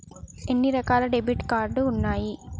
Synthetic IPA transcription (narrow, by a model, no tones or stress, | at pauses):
ɛnːiɾɐkaːlɐɖɛbɪʈkaːɾɖɯʊnːaːji